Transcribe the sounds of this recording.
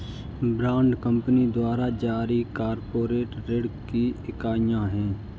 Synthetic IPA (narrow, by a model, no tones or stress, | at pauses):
bɾãːɳɖkə̃mpənid̪waːɾad͡ʒaːɾikaːɾpoːɾeːʈɾeɽkiɪkaːjãɦɛ̃ː